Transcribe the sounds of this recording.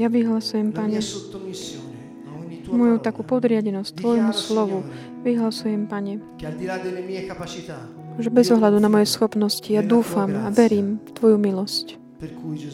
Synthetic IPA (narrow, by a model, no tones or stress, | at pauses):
jaʋiɦlasujɛmpaɲɛt̪ːi | mɔjut̪akuːpɔd̪ɾɪaɟɛnɔstt̪ʋɔjmuslɔʋu | ʋiɦlasujɛmpaɲɛkad̪ilad̪elːemiekapat͡ʃit̪a | ʒɛbɛzɔɦlad̪unamɔjɛsxɔpnɔscijad̪uːfamaʋɛɾiːmt̪ʋɔjumilɔsc | ku